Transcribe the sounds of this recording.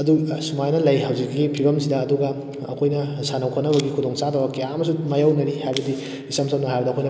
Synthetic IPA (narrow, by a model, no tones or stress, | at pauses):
ɐdusumajnɐlɐjhɐwzikːipʰibɐmsidɐːduɡɐː | kʰojnɐsanɐwkʰɐnɐbɐɡikʰudɔŋsadɐbɐkɐjamɐsumajawnɐɾihajbɐdi | isɐmsɐmnɐɦajbɐdiɐkʰojnɐ